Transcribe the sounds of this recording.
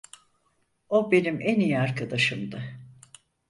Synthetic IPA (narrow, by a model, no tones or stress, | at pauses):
obe̞nimʔɛnijiaɾkad̪aʃɯmd̪a